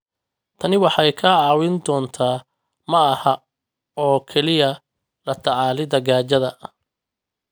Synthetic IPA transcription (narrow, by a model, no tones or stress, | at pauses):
t̪ʰɐnɪwɑħɑjkʰɐʕɑːwɪnd̪ɔːnt̪ʰaː | mɐːhɐ | ɔːkʰɛlɪjɐ | lɐt̪ʰɑʕɑːlɪd̪ɐɣaːt͡ʃɐðɐ